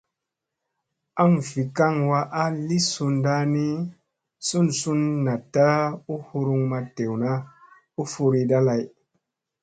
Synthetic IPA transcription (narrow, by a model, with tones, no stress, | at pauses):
a˦ŋvi˨ka˦ŋwa˧ʔa˦li˦su˧nda˦ni˦ | su˦nsu˦nːa˨tːa˦u˦hu˧ɾu˧ŋma˧te˨wna˦ | u˦fu˧ɾi˧da˦la˧j